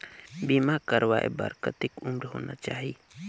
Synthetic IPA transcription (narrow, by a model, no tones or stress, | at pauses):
bimakəɾʋaḛbə̰ɾkət̪ɪkʊmɾɦo̰ːna̰t͡ʃaːɦi